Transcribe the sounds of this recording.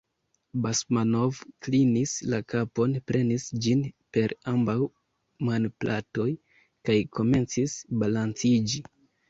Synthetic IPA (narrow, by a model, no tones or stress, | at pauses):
basmano̞vklinislakapo̞npɾe̞nisd͡ʒinpe̞ɾambaw | manplato̞j | kajkʰo̞me̞nt͡sisbalant͡sid͡ʒi